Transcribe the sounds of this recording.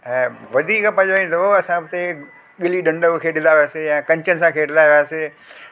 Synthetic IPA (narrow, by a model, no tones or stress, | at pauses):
ɛ̃ːʋɐd̪ʱiːkpɐ̃d͡ʑaĩnt̪ʰoɐsãbt̪e | ɠɪliɗɐ̃ɳɖəʋkʰeːɖɪ̃nd̪aːʋiaːsejãːkɐ̃ɲt͡ɕənɪsãkʰeːʈɪnaɦjaːse